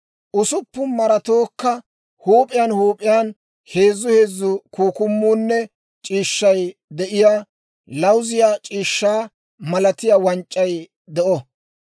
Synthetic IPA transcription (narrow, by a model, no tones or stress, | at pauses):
ʔʊsʊpːʊnmɐɾɐt̪oːkːɐ | huːpʼɪjanhuːpʼɪjan | he̞ːzːʊhe̞ːzːʊkuːkʊmːuːnːɛ | t͡ʃʼiːʃːɐjd̪ɛʔɪjaː | lɐwzɪjat͡ʃʼiːʃːaː | mɐlɐt̪ɪjawɐnt͡ʃʼːɐj | d̪ɛʔɔ